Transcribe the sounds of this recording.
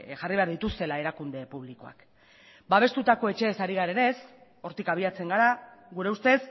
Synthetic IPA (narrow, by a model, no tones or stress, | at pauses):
ʝariβe̞aɾðit̪ust̪e̞lae̞ɾakund̪e̞puβ̞liko̞a̰k | baβ̞e̞st̪ut̪ako̞e̞t͡ʃe̞ːsaɾiɣaɾe̞ne̞s | o̞ɾt̪ikaβ̞iat͡se̞ŋɡaɾa | ɣuɾe̞ust̪e̞s